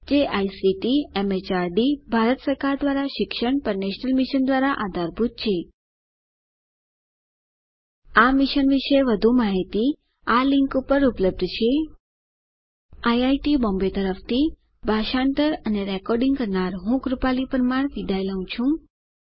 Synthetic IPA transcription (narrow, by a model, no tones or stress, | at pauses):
d͡ʒeʔaisiʈiemet͡ʃaɾɖibʱaɾət̪səɾkaɾd̪ʋaɾaʃɪkʃəɳpəɾneʃnəlmiʃənd̪ʋaɾaʔad̪ʱaɾbʱut̪̚t͡ʃʰe | amiʃənʋiʃeʋəd̪ʱũmaɦit̪i | alĩŋkupəɾupləb̚d̪ʱt͡ʃʰe | ajajʈibɔ̃mbet̪əɾəft̪ʰi | bʱaʃãɳʈəɾəneɾɛkɔɾɖĩŋɡkəɾnaɾɦũɡɾupalipəɾmaɳ̃ʋid̪ʱajləɦũt͡ʃʰũ